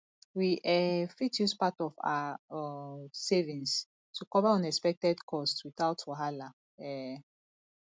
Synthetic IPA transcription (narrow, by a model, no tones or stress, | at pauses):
wiʔɛfitjuspatɔfa̰ | sevĩns | tʰukɔvaɔ̃nɛkspɛk̚tɛdkʰɔstwiθawtʰɔɦala | ɛ